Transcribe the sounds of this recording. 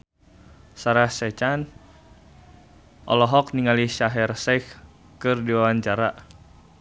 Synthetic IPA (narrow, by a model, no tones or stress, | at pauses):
saɾahsɛt͡ʃan | ʔɔ̰lɔɦɔk̚niŋaliʃaɦɛrsɛk | kɨrdiwawaɲt͡ʃaɾa